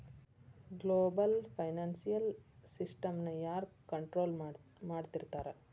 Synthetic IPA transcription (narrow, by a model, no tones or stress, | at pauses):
ɡloːbɐlpʰɐjnaːnsijɐlsisʈɐmnɐjaːɾkɐɳʈɾo̞ːlmaːɖt̪iɾt̪aːɾe